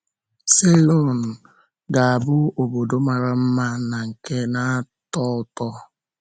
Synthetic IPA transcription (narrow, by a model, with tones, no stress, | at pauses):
se˦lo˦n˨ | ɡa˨a˨bʊ˦o˨bo˨do˦ma˨ɾa˨m̩˦ma˦na˨ŋ̩˨ke˦na˦tɔ˦ʊ˨˦tɔ˦